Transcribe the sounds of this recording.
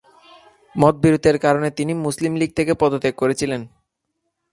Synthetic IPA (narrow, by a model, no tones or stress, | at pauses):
mɔt̪̚biɾud̪ʱeɾkaɾonet̪inimuslimliɡ̚t̪ʰekepɔd̪ot̪eɡ̚koɾet͡ɕʰilen